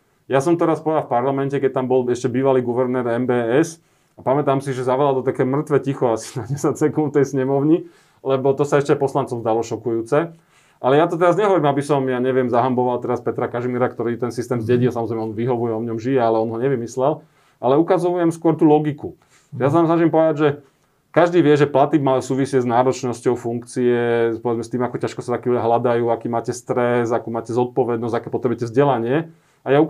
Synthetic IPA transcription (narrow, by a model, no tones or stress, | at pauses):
jasɔmt̪ɛɾaspɔjafpaɾlamɛncɛkɛc̚t̪ambɔlɛʃcɛbiːʋaliːɡuʋɛɾnɛːɾɛmbɛːɛs | apamɛt̪aːmsiʒɛzaʋlald̪ɔt̪akɛjmr̩t̪ʋɛcixɔasi̥naɲɛzat͡sɛkũft̪ɛjsɲɛmɔʊɲi | lɛbɔt̪ɔsaɛʃcɛajpɔslant͡sɔmzd̪alɔʃɔkujuːt͡sɛ | ʔalɛjat̪ɔt̪ɛɾazɲɛɦɔʋɔɾimabisɔmjaːɲɛʋɪɛmzaɦambɔʋalt̪ɛɾaspɛt̪ɾakaʒimiɾakt̪ɔɾiːt̪ɛnsist̪ɛːmzɟɛɟilsamɔzɾɛmɛɔnʋiɦɔʋujɛɔʋɲɔmʒijɛalɛɔnɦɔɲɛʋimislɛl | ʔalɛukazɔujɛmskʊɔɾt̪uːlɔɡiku | ʒɛjas̬anaːms̬naʒimpɔʋɛd̪aɟʒɛ | kaʒd̪iːʋɪɛʒɛplat̪ibmausuːʋisɪɛznaːɾɔt͡ʃnɔscɔʊfuŋkt͡siɛpɔʋɛd͡zmɛst̪iːmakɔcaʃkɔsat̪akiulɛɦlad̪ajuːakiːmaːcɛst̪ɾɛzakuːmaːcɛzɔt̪̚pɔʋɛd̪nɔzɟakɛːpɔt̪ɾɛbujɛcɛzɟɛlaɲɪɛ | ajau